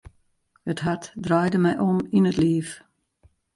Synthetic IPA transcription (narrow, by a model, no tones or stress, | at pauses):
ətɦatdrajdəmɛjʔɔminətliːf